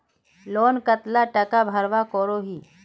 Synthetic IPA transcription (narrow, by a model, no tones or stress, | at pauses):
loːnkət̪laʈɐkabʱɐɾʋakoːɾoɦiː